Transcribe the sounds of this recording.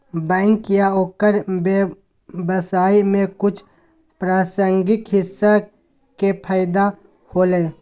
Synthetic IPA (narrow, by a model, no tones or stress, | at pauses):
bɛ̃ːŋkjaoːkəɾbe | bəsaːimẽkʊt͡ʃʰ | pɾaːsəŋɡɪk̪ɦɪsːa | kepʰaːɪd̪a | hoːleː